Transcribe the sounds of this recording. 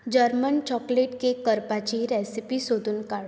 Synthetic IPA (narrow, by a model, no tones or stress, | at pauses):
d͡ʑəɾmənt͡ɕɔkleʈkekəɾpat͡ɕiɾɛsipisod̪ʱuːnkaɽ